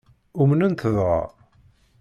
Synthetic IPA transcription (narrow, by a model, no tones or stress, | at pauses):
umnənt̪əðʁɑ̰